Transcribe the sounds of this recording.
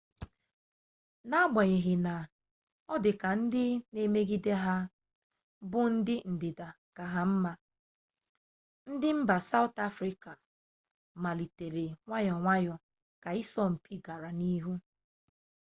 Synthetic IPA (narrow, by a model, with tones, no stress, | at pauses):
na˦a˦ɡ͡ba˨ɲe˨ɦɪ˨na˨ | ɔ˦dɪ˨ka˨n̩˦dɪ˦ne˦me˦ɡi˦de˦ɦa˦ | bʊ˦n̩˦dɪ˦n̩˨dɪ˨da˨ | ka˨ɦa˦m̩˦ma˦ | n̩˦dɪ˦m̩˦ba˨sa˦ʊ˦ta˦fɾi˦ka˨ | ma˨li˨te˨ɾe˨ŋʷa˦ɲɔ˨ŋʷa˦jɔ˨ | ka˨i˦sɔ˦m̩˨pʰi˦ɡa˨ɾa˨ni˦ɦu˦